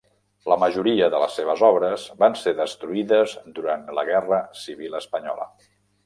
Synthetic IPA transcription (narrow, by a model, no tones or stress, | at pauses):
ləməʒuɾiəðələ̰sːeβ̞əzɔβɾəzβanseðəst̪ɾuiðəzd̪uɾant̪ləɣɛrəsiβ̞ilˠəspəɲɔ̰lə̰